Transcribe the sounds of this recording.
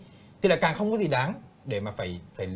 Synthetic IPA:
t̪ʰi˨laː˨˩kaː˨˩ŋxə˧wŋ͡mkɔ˨˦zi˨˩ɗaː˨˦nɗe˧˩maː˨˩faː˧˩jfaː˧˩

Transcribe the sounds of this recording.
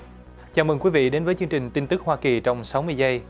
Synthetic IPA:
t͡ɕaː˨˩mɨ˨˩ŋkwi˨˦vḭ˧˨ɗe˨˦nvəː˨˦jt͡ɕɨ˧əŋt͡ɕï˨˩ŋ̟t̪i˧nt̪ɨ˦˥k̚hwaː˧ki˨˩t͡ɕɔ˧wŋ͡msa˨˦wmɨ˧əjzə˧j

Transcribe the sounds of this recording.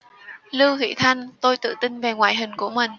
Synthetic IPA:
lɨ˧whḭ˧˥t̪ʰa˧jŋt̪o˧jt̪ɨ̰˧˨t̪ï˧ŋve˨˩ŋwaː˧˨jɦï˨˩ŋ̟ku˧˩əmï˨˩ŋ̟

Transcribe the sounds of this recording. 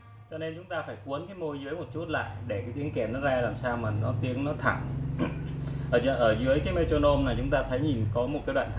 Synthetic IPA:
t͡ɕɔ˧ne˧nt͡ɕʊ˨˦ŋ͡mt̪aː˧faː˧˩jku˨˦ənkaː˨˦jmo˧jzɨ˨˦əjmo˨˩t̚t͡ɕu˦˥t̚la̰ː˧˨jɗe˧˩kaː˨˦jt̪i˨˦əŋkɛ˧˩nɔ˨˦zaː˧laː˨˩msaː˧wmaː˨˩nɔ˨˦t̪i˨˦əŋnɔ˨˦t̪ʰa˧˩ŋ | ʔəː˧˩zə˧˩ʔəː˧˩zɨ˨˦əjkaː˨˦jme˧t͡ɕo˧no˧mnaː˨˩t͡ɕʊ˨˦ŋ͡mt̪aː˧t̪ʰə˨˦jɲi˨˩nkɔ˨˦m˨˩t̚aː˨˦jɗwa̰ː˧˨nt̪ʰ

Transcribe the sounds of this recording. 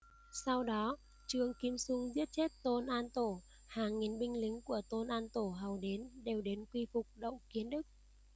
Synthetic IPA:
sa˧wɗɔ˨˦ | t͡ɕɨ˧əŋki˨˦əmsʊ˧ŋ͡mzi˦˥ət̚t͡ɕe˦˥t̚t̪o˧nʔaː˧nt̪o˧˩ | haː˨˩ŋːi˨˩nɓï˧ŋ̟lï˨˦ŋ̟ku˧˩ət̪o˧nʔaː˧nt̪o˧˩ɦa˨˩wɗe˨˦nɗe˨˩wɗe˨˦nkwi˧fʊ˨˩k͡p̚ɗə̰˧˨wŋ͡mki˨˦ənɗɨ˦˥k̚

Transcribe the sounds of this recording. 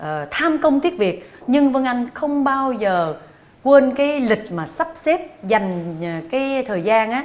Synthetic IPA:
ʔə˨˩t̪ʰaː˧mkə˧wŋ͡mt̪i˦˥ət̚vi˨˩ət̚ɲɨ˧ŋvə˧ŋʔa˧jŋ̟xə˧wŋ͡mɓaː˧wzəː˨˩ | kwe˧nkaː˨˦jlï˨˩k̟̚maː˨˩sa˦˥p̚sɛ˦˥p̚za˨˩jŋ̟ː˨˩kaː˨˦jt̪ʰəː˨˩jzaː˧nʔaː˨˦

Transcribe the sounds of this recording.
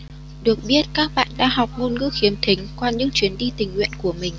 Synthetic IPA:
ɗɨ˨˩ək̚ɓi˦˥ət̚kaː˦˥k̚ɓa̰ː˧˨nɗa̰ː˧˥ɦa˨˩wk͡p̚ŋo˧nŋɨ̰˧˥xi˨˦əmt̪ʰi˨˦ŋ̟kwaː˧ɲɨ̰˧˥ŋt͡ɕwi˨˦ənɗi˧t̪ï˨˩ŋ̟hwḭ˧˨nku˧˩əmï˨˩ŋ̟

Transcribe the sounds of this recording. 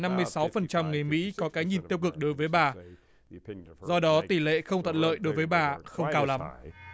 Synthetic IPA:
na˧mːɨ˧əjsa˨˦wfə˨˩nt͡ɕa˧mŋɨ˨˩əjmḭ˧˥kɔ˨˦kaː˨˦jɲi˨˩nt̪i˧əwk̬ɨ˨˩k̚ɗo˨˦jvəː˨˦jɓaː˨˩ | zɔ˧ɗɔ˨˦t̪i˧˩lḛ˧˨xə˧wŋ͡mt̪ʰa̰˧˨˩nlə̰ː˧˨jɗo˨˦jvəː˨˦jɓaː˨˩xə˧wŋ͡mkaː˧wla˨˦m

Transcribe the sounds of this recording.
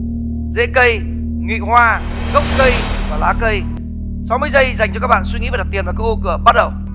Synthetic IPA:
zḛ˧˥kə˧j | ŋḭ˧˨hwaː˧ | ɣə˦˥wk͡p̚kə˧jvaː˨˩laː˨˦kə˧j | sa˨˦wmɨ˧əjzə˧jza˨˩jŋt͡ɕɔ˧kːa˦˥ɓa̰ː˧˨nswi˧ŋḭ˧˥v̚t̪i˨˩vːkːaː˦˥kʔo˧kɨ˧˩əɓa˦˥t̚ɗə˨˩w

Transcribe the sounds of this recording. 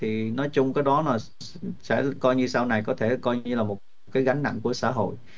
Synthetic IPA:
t̪ʰi˨˩nɔ˨˦jt͡ɕʊ˧ŋ͡mkaː˨˦jɗɔ˨˦naː˨˩ | sɛ̰˧˥kɔ˧jɲɨ˧saː˧wna˨˩jkɔ˨˦t̪ʰe˧˩kɔ˧jɲɨ˧laː˨˩mo˨˩t̚kaː˨˦jɣa˨˦jŋ̟na̰˧˨nku˧˩əsa̰ː˧˥˨ɦo̰˧˨j

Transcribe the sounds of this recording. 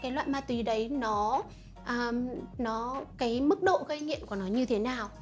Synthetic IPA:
kaː˨˦jlwa̰ː˧˨jmaː˧˩t̪wi˨˩˦ɗə˨˦jnɔ˨˦ | ʔəː˨˩nɔ˨˦kaː˨˦jmɨ˦˥k̚ɗo̰˧˨ɣə˧jŋḭ˧˨ənku˧˩ənɔ˨˦ɲɨ˧t̪ʰe˨˦naː˨˩w

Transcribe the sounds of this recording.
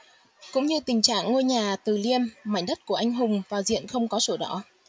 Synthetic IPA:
kʊ̰˧˥ŋ͡mɲɨ˧t̪ï˨˩ŋ̟t͡ɕa̰ː˧˨ŋːo˧jɲaː˨˩t̪ɨ˨˩li˧əmːa̰˧˩jŋ̟ɗə˦˥t̚ku˧˩əʔa˧jŋ̟ɦʊ˨˩ŋ͡mvaː˨˩wzḭ˧˨ənxə˧wŋ͡mkɔ˨˦so˧˩ɗɔ˧˩˦

